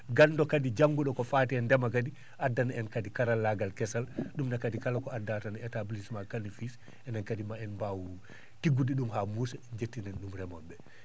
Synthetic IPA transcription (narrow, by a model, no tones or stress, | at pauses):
ɡanːdɔkadid͡ʒaŋɡuɗɔkɔfatɛɛndɛmak̬adi | ʔadːanaɛnkadikaɾalːaɡalkɛsalɗumnakadikalakɔadːatanɛtablismakanifis | ɛnankadimaɛnbawu | tiɡudiɗumɦamusɛd͡ʒetːinɛnɗumɾɛmɔnbɛ